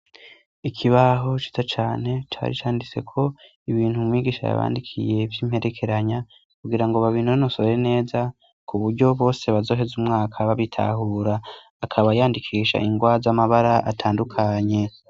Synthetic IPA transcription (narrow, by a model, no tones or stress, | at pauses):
ikʰiβaɦo̞t͡ʃi̥tat͡ʃaːne̞t͡ʃa̰ːɾḭt͡ʃaːndit͡se̞̰kʰo̞ | iβiːnhumwiːɡiːʃa̰ja̰βa̰ːndikʰḭje̞vjiːm̥he̞ɾe̞kʰe̞ɾaɲa | kuɡiɾaŋɡoβaβiːn̥hujonosoβɾene̞ːza | kʰuβuɾɟo̞βo̞ːse̞βazo̞ːɦe̞zumŋaːkʰaβaβitʰa̰ɦuːɾaː | kʰaβajaːndikʰiːʃa̰ʔiŋɡwazamaβaɾaʔatʰaːndukʰaɲe̞